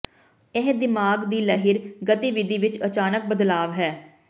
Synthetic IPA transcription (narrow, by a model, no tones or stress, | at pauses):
ɪɦd̪ɪmaːɡd̪iːləɦɪɾɡət̪iːʋɪd̪iːʋɪt͡ʃət͡ʃaːnək̚bəd̪laːʋɦɛː